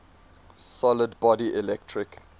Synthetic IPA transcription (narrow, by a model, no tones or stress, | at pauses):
sɔlədbɔdiʔɪlɛk̚tʰɹɪk